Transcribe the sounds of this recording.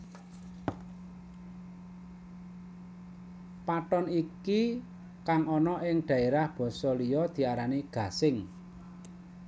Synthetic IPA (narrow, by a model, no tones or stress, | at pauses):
paʈ̪ɔniki | kaŋɔnɔʔɪŋɖ̪̥ä̤eɾahb̥ɔ̤sɔlijɔd̪̥i̤aɾaniɡ̥a̤sɪŋ